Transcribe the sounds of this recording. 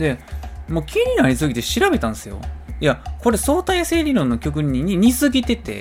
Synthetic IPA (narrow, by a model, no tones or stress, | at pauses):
d̪e̞mo̞ːkʲiɲ̟inaɾʲisɨɡʲit̪e̞ɕiɾabe̞t̪ãñesɨjo̞̰jako̞ɾe̞so̞ːt̪aise̞ːɾʲiɾõ̞nːo̞kʲo̞k̬ɯ̟ɲ̟iɲiɲ̟izɨɡʲit̪e̞t̪e̞̰